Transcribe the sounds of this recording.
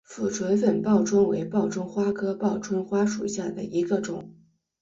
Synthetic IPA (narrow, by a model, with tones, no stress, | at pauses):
fu˨˩ʈ͡ʂʰwə˧˥nfə˨˩npɑ˥˩ʊʈ͡ʂʰwə˥nwe˧˥ɪpɑ˥˩ʊʈ͡ʂʊ˥ŋxwa˥kʰɤ˥pɑ˥˩ʊʈ͡ʂʰwə˥nxwa˥ʂu˨˩ɕja˥˩d̪ə̰˩ʔi˧˥ɡə˧ʈ͡ʂʊ˨˩˦ŋ